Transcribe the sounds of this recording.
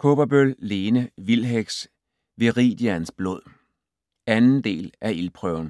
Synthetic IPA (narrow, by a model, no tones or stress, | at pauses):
kʰo̝b̥ɐb̥ølle̝ːnəʋilɦeɡ̥s | ʋeʁḭd̥jiænsb̥loð̰ˠ | ænn̩d̥e̝̰ːlʔæilpʰʁœʊn̩